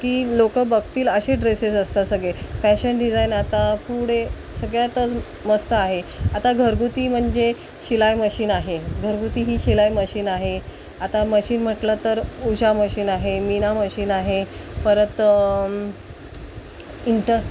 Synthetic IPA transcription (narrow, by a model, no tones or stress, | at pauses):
kiːlokəbəɡt̪iːləɕeɖɾesesəst̪asəɡɭefæɕənɖid͡zajnat̪apuɽe | səɡɭjat̪ə | məst̪əaɦeat̪aɡʱəɾɡut̪iːm̤əɳd͡ʑe | ɕilajməɕiːnaɦeɡʱəɾɡut̪iːɦiːɕilajməɕiːnaɦe | at̪aməɕiːnm̤əʈlət̪əɾud͡ʑaməɕiːnaɦeminaməɕiːnaɦepəɾət̪ | iɳʈə